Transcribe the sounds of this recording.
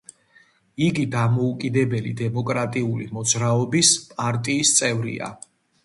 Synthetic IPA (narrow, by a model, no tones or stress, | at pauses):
iɡid̪amɔukʼid̪ɛbɛlḭd̪ɛmɔkʼɾat̪ʼiulḭmɔd̪zɾaɔbispʼaɾt̪ʼiːst̪sʼɛvɾḭa̰